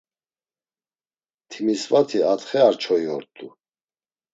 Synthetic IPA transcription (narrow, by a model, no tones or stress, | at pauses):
t̪ʰimisvat̪ʰiat̪χɛaɾt͡ʃʰɔiɔɾt̪ʼu